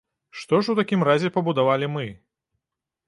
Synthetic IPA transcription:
ʂt̪ɔʂwt̪akʲimrazʲɛpɐbud̪avalʲimɨ

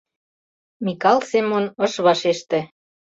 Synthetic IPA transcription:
mʲikɑlˠsemonə̆ʃβɑʃeʃt̪ĕ

